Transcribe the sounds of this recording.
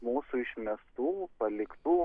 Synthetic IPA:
muːsʊɪʃʲmʲɛst̪uːpɐlʲɪkt̪uː

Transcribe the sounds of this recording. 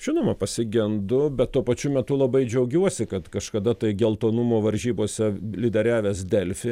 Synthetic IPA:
ʒʲɪnoːmɐpɐsʲɪɡʲɛnd̪ʊbʲɛt̪t̪ːuɔpɐt͡ʃʲʊmʲɛt̪ʊlˠɐbɐɪd͡ʒʲɛʊɡʲuɔsʲɪkɐt̪kɐʃkɐd̪ɐt̪ɐɪɡʲɛlˠt̪oːnʊmoːʋɐɾʲʒʲiːboːsʲɛlʲɪd̪ʲɛɾʲæːʋʲeːsd̪ʲɛlʲfʲɪ

